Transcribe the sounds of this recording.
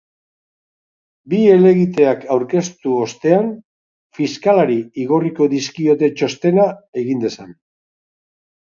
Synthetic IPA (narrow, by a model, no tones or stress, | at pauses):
bie̞le̞ɣit̪e̞akawɾke̞st̪uo̞st̪e̞an | fiskalaɾiiɣo̞riko̞ðiskio̞t̪e̞t͡ʃo̞st̪e̞nae̞ɣind̪e̞san